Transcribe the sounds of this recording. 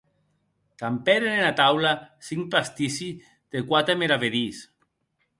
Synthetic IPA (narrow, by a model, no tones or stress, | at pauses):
kampɛɾenenat̪awlasiŋpast̪isi | ð̥ekwat̪ɾemeɾaβeðis